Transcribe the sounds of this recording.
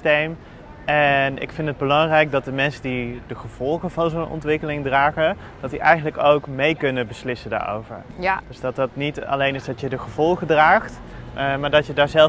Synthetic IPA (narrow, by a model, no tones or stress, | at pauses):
tejm | ɛnɪ̰kfɪntəd̚bəlɑŋrɛjk̚dɑt̚dəmɛnsədidəχəv̥ɔlˠχəvɑnzownʔɔ̰ntʋɪkəlɪŋdraːχə | d̥ɑtdiʔɛjχənləkowkmejkɵnəbəslɪsənda̰ːɹo̰wvə̰ɹd̥øzdɑtɑtnitɑ̰lejnɪsdɑtjədəχəvɔlˠχədraːχt | maːɹdɑtjədaːɹzɛl